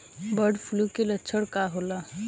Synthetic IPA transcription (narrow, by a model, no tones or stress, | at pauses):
bəɖpʰʊlukelətːʃʰəɽkaɦolaː